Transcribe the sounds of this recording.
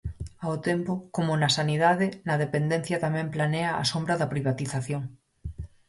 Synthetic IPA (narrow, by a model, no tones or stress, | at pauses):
aot̪empokomʊnasaniðaðenɐðepend̪ẽn̟θjɐt̪amɛ̃mplanea̰ːsombɾaðɐpɾiβ̞at̪iθaθjoŋ